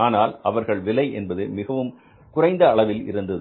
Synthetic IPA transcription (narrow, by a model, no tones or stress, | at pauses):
aːnaːlɐʋɐɾɣɐɭʋɪlɐɪʔɛ̰nbɐðɯmɪɣɐʋɯm | kʊrɐɪnd̪ɐːɭɐʋɪlɪ̰ɾɯnd̪ɐðɯ